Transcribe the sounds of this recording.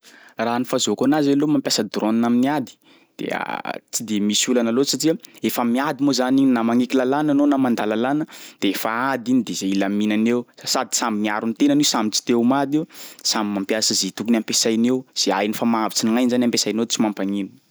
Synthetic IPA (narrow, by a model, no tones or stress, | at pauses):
raːnifazokanazelomampjasəd̪ɾoninaminiad̪i̥ | d̪̥ḛə̰t͡sid̪emisulanalosaʈ͡ʂiaefəmiad̪imozaninamaŋikilalananonamand̪alalanəd̪̥eefaad̪inid̪ezeilaminanewasad̪i̥samimiaɾunit̪enanesamit͡si̥t̪ewmad̪iwsamimampjasəzet̪ukunampesajnewz̥ea̰jnifamavit͡siniŋajnzanampesajnew̪t͡simampaŋini̥